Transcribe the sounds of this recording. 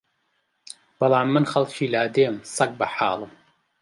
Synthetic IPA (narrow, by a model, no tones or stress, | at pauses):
b̥ɑlˠɑːmːɨnχɐlˠt͡ʃʰiːlaːd̪eːmsɐk̚bɐħɑ̰ːlˠəm